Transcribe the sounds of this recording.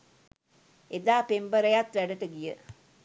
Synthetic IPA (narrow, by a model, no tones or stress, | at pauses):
ed̪aːpembəɾɐjat̪ʋæɖəʈəɡijə